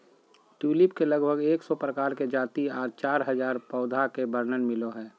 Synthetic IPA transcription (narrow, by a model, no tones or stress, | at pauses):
ʈuːlɪpkeləɡbʱəɡeːksɔpɾəkaːɾked͡ʒaːt̪iaːɾt͡ʃaːɾɦəzaːɾpɔːd̪ʱakebəɾnənmɪloɦɛː